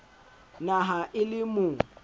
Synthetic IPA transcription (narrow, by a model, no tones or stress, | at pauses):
naɦaʔɪlɪmʊ